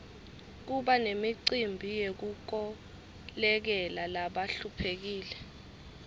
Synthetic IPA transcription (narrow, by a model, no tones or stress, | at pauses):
k̬uɓanemiǀimbʱijek̬uk̬ɔ | lɛk̬ɛlalaɓaɬupʰek̬iːlɛ